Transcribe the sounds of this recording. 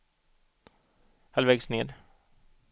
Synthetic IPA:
halvɛːɡsneːɾ

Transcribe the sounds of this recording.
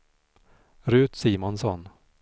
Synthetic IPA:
ɾʉ̟ːt̪siːmɔnsɔ̰n

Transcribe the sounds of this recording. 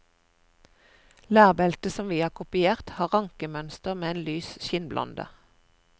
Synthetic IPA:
læːʁbɛlt̪əsɔmʋiːɑːkʰʊpɪeːʁt̪hɑːʁɑŋkəmœnst̪əʁmeːeːnlyːsʃɪnblʔɑ̰nd̪ə̰

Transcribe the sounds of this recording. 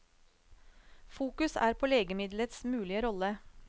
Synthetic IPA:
fuːkʉsæ̰ːɾpʰoːleːɡəmɪd̪lət̪smʉːlɪəɾɔlə

